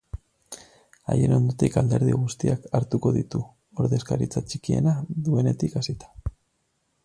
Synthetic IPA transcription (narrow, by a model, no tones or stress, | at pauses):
a̰je̞no̞nd̪ut̪ikald̪e̞ɾðiɣust̪iakaɾt̪uko̞ðit̪u | o̞ɾðe̞skaɾit͡sat͡ʃikie̞̰naðue̞ne̞t̪ikasit̪ḁ